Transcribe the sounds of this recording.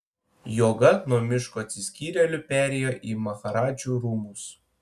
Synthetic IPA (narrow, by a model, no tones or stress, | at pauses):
joːɡɐnuɔmʲɪʃkoːɐt̪ʲsʲɪsʲkʲiːɾʲɛlʲʊpʲæːɾʲejoːʔiːmɐxɐɾɑːd͡ʒʲuːɾuːmus